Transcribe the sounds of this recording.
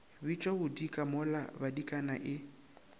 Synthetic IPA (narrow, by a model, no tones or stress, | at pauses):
bit͡ʃʼɔbʊdikʼamʊlabadikʼanaʔɪ